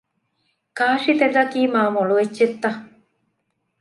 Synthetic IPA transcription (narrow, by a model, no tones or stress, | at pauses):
kaːʃit̪ed̪ɐkiːmaːmoɭuʋetːʃet̪ːɐ